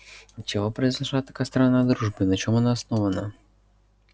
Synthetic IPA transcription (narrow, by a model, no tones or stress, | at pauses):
t͡ɕɪvopɾəɪzlnɐʂat̪ːɐ̥kast̪ɾɐnad̪ɾuʐbɨnɐt͡ɕomɐnaːsnovənɐ